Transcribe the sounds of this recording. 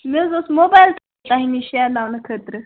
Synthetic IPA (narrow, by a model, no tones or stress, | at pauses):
mewd͡zosmobajlt̪ | t̪aɦiniɕalawnəkʰət̪ɾə